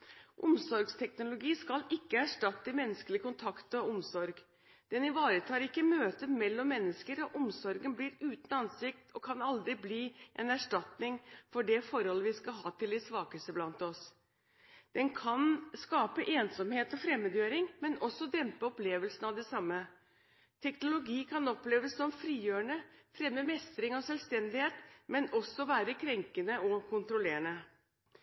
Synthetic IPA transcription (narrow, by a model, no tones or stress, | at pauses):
ʔʊmsɔɾɡst̪ʰɛknʊlʊɡiːskɑlɪkːəæʂʈɑt̪ːəmɛnːəskəlɪəkʊnt̪ʰɑkt̪ɔʊmsɔɾɡ | d̪̥ɛnɪʋɑːɾət̪ʰɑːɾɪkːəmøːt̪əmɛlːɔmːɛnːəskəɾɔʔɔmsɔɾɡənbliːɾʉːt̪n̩ɑnsɪk̚t̪ʰɔkʰɑnɑld̪ɾɪbliːʔɛ̰næʂʈɑt̪nɪŋfɔɖɛfɔɾhɔlːəʋɪskɑɦɑ̰ːt̪ʰɪlɪsʋɑːkəsəblɑnt̪ɔs | d̪̥ɛnkʰɑnskɑːpəʔeːnsɔmheːt̪ɔfɾɛmːəd̪jøːɾɪŋmɛnʔɔsːɔd̪ɛmpəɔpleːʋəlsənɑʋd̪ɛsɑmːə | t̪ʰɛknʊlʊɡiːkʰɑnɔpleːʋəsːɔmfɾiːjøːəɳəfɾɛmːəmɛst̪ɾɪŋɔsɛlst̪ɛnd̪ɪheːt̪mɛnɔsːɔʋæːɾəkʰɾɛŋkənəʔɔkʰʊnt̪ɾʊleːəɳə